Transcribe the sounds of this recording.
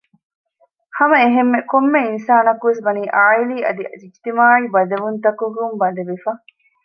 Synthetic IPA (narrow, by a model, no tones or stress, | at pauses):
hɐmɐeɦemːekomːeinsaːnɐkuʋesbɐniːʔaːiliːɐ̰d̪id͡ʒid͡ʒt̪imaːibɐd̪ɐʋunt̪ɐkuɡumbɐd̪ɐʋifɐ